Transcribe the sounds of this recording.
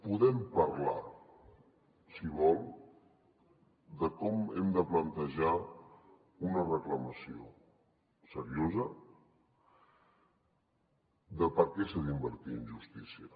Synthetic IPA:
puðɛmpəɾla̰ | siβɔlˠ | d̪əkɔmɛmd̪əplənt̪əʒa | unərəkləməsio̰ | səɾiozə | d̪əpəɾkɛsəðimbəɾt̪iənʒust̪isiə

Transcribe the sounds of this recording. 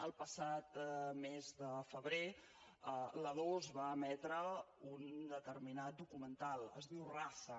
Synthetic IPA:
əlˠpəsat̪mezðəfəβɾe | ələðozβaəmɛt̪ɾəund̪ət̪əɾminat̪̚d̪ukumənt̪alˠə̰zðiwrasə

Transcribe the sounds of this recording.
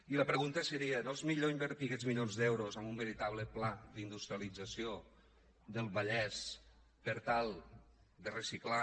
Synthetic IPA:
iləpɾəɣunt̪əsəɾiənolˠzmiʎoimbəɾt̪ikɛd͡zmiʎonzðɛwɾozəmbumbəɾit̪aβ̞ləplad̪ind̪ust̪ɾialid͡zəsio | ðəlˠβəʎɛs | pəɾt̪alˠ | d̪ərəsikla

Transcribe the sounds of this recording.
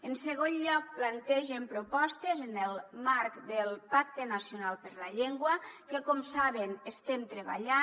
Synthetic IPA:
ənsəɣonʎɔk̚plant̪ɛʒempɾupɔst̪ezənəlˠmaɾkd̪əlˠpak̚t̪enasjiunalˠpəɾləʎeŋɡwəkəkɔmsaβ̞enəst̪emt̪ɾəβa̰ʎa

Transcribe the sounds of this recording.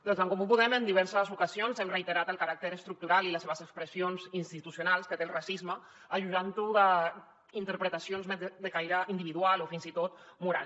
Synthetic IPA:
d̪̥ɔnzəŋkɔmupuðɛmənd̪iβɛɾsəzukəzionzɛmrəit̪əɾat̪əlˠkəɾak̚t̪əɾəst̪ɾuk̚t̪uɾaliləseβəzəkspɾəsionzinst̪it̪usjunalˠskət̪elˠrasizmə | əʒuʒant̪uðə | int̪əɾpɾət̪asionzmɛd̪əkajɾəind̪iβiðualofinzit̪ot̪̚muɾa̰l

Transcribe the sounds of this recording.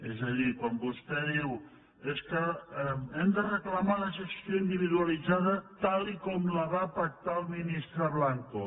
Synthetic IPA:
ezəʎikwambust̪ɛðiw | eskə | ɛmd̪ərəkləmaləs̬əksjoind̪iβiðuəlid͡zaðət̪alikɔmləβaːpək̚t̪alˠminist̪ɾəβlaŋko

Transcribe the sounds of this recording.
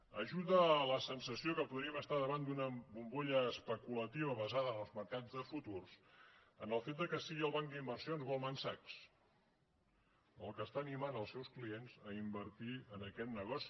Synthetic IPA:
əʒuðələsənsəsiokəpuðɾiəməst̪aðəβand̪unəbumboʎəːspəkulət̪iβəβəzaðəːnəlˠzməɾkad͡zðəfut̪ursənəlˠfet̪̚d̪əkəsiɣiəlˠβaŋkd̪imbərsionzβolˠmansaks | əlˠkəst̪aːnimanəlˠsɛwsklienzəimbəɾt̪iənəkɛt̪nəɣɔsi̥

